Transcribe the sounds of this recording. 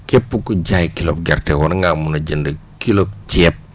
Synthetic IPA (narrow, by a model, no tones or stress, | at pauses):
kɛpːukuɟajkilɔp̚ɡɛrtɛwɔɾŋɡaːmunɐɟəndɐkilɔp̚t͡ʃɛːp̚